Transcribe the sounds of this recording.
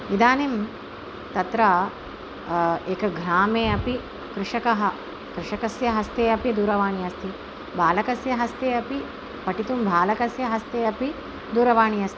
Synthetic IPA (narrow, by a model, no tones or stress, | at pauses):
id̪aːnim | t̪ɐt̪ɾɐ | eːkɐɡʱɾaːmeːɐpi | kɾɪʂɐkɐɦɐ | kɾɪʂɐkɐsjɐɦɐst̪eːɐpid̪uːɾɐʋaːɳijɐst̪ʰi | bʱaːlɐkɐsjɐɦɐst̪eːɐpi | pɐʈit̪umbʱaːlɐkɐsjɐɦɐst̪eːɐpi | d̪uːɾɐʋaːɳijɐst̪ʰi̥